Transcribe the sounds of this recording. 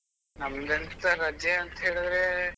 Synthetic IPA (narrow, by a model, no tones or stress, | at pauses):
nɐmd̪ent̪ɐɾɐd͡ʒeɐnt̪ɐɦeːɭid̪ɾe